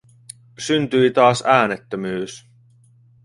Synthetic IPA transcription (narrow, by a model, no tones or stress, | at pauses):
synt̪yit̪ɑːsæːnet̪ːømyːs